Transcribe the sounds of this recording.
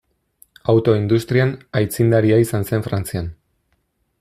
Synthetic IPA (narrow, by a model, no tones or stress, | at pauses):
awt̪o̞ind̪ust̪ɾianajt͡sind̪aɾiaisanse̞ɱfɾant͡sian